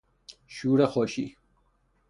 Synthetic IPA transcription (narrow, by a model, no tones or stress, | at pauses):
ʃuːɾexɔːʃḭː